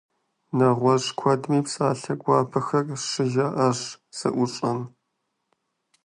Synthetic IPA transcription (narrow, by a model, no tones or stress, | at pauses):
nɐʁʷɔʂkʷʰɔdmiːpsʼaːɬɐɡʷɑːpʰɐxɐrʂɨʒaːʔɐʂ | sɐ̰ʔʷʊɕʼɐn